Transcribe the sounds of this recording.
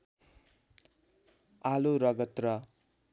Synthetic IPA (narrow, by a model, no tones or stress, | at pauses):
aluɾʌɡʌt̪rʌ